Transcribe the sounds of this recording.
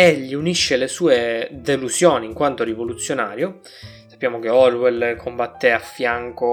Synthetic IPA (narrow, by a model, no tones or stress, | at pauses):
eʎːiuniʃːelesuːed̪eluzjoːniŋkwant̪oɾivolut̪sːjonaːɾjo | sḁpːjaːmok̟eɔrwɛlkʰombat̪ːeafːjaŋko